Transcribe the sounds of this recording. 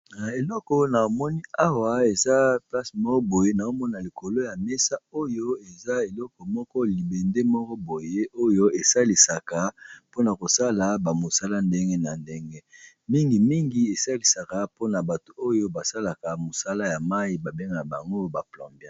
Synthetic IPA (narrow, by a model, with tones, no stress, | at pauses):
na˨e˨lɔ˦kɔ˦na˨mɔ˦ni˦a˦wa˨e˨za˦pla˦smɔ˦kɔ˦bo˨je˦na˨o˦mɔ˦na˨li˨ko˨lo˦ja˨me˦sa˦o˦jo˦e˨za˦e˨lɔ˦kɔ˨mɔ˦kɔ˦li˨be˨nde˦mɔ˦kɔ˦bo˨je˦ʔo˦jo˦e˨sa˦li˨sa˨ka˨po˦na˨ko˨sa˦la˨ba˨mo˨sa˦la˦nde˦ŋɡe˦na˨nde˦ŋɡe˦ | mi˦ŋɡi˨mi˦ŋɡi˨˦e˨sa˦li˨sa˨ka˨po˦na˨ba˨to˨o˦jo˦ba˨sa˦la˨ka˨mo˨sa˦la˦ja˨ma˦i˦ba˨be˦ŋɡa˨na˨ba˨ŋɡo˦ba˨plɔ̃˨mbja˦